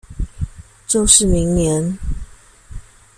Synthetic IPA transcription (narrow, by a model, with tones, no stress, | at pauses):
t͡ɕo˥˧ʊʂɻ̩˥˩mi˧˥ŋnjɛ˧˦n